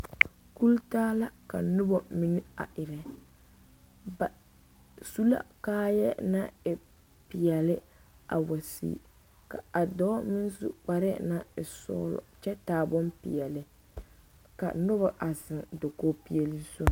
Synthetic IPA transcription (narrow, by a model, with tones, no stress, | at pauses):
ku˦ltaː˦la˦ka˨nʊ˦bɔ˨mi˦nɪ˦a̰˨ʔɪ˨ɾɛ˨ | ba˨ | su˦la̰˦kaː˦jɛ˦na˦ɪ˨ | pɪ˨jɛ˨lɪ˦ | a̰˨wa˨sḭː˦˨ | ka̰˨a˨dɔː˦mɪ˦n˦zṵ˦k͡pa˨ɾɛ˦na˦ɪ˨sɔ̰ː˦lɔ̰˨t͡ʃɛ˦taː˨bɔ˦mpɪ̰˨ɛ˨lɪ˨ | ka̰˨nʊ˦bɔ˦˨ʔa˨zɪ˨ŋdo˨koː˦pi˦ɛ˦li˦so˦˨